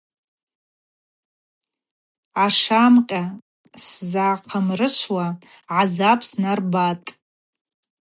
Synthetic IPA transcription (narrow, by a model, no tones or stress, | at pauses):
aʂamqʲʼa | szaqʰamrɨʃʷwa | ʕazapʰsnarbatʼ